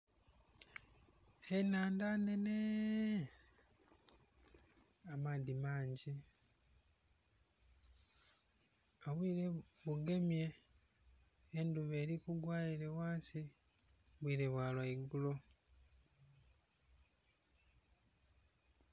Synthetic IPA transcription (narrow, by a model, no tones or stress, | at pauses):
enaːndane̞ne | amadimaːɲɟi | oβwiːɾe | βuɡe̞mje̞ | nduβe̞ːɾikuɡwaːjiɾe̞waːnsi | βwiːɾeβwaːlwaiɡulo̞